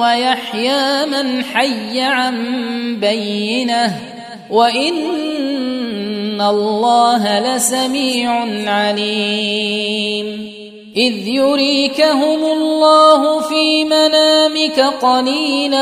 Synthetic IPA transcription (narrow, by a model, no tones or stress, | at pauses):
wajaħjaːmanħajːaʕanbajːɪnah | waʔɪn | alːɑːɦalasamiːʕʊnʕaliː | m | ʔɪðjʊɾiːkaɦʊmʊlˤːɑːɦʊfiːmanaːmɪkaqɑliːla